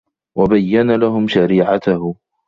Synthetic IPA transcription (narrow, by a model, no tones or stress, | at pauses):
wabajːanalaɦʊmʃaɾiːʕat̪ah